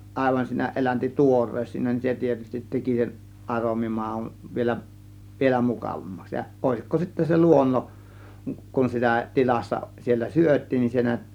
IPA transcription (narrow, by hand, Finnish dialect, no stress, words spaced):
ɑˑe̝ʋɑn siːnæ ʔelænti tuores siːnæ nin se tietystit teki sen ʔɑromi mɑˑun ʋielæ ʋielæ mukɑˑʋɑmːɑks jɑ oˑe̝sikːo sitːæ se luonːoʔ kun sitæ tilɑsːɑ sielːæ syøtˑiːn nin se næt